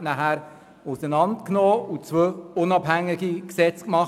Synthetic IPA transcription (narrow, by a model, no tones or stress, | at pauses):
næɦæɾ | ʊsənɑntknoːut͡sʋøʊnɑbhæŋːɪɡiksɛt͡skmɑχ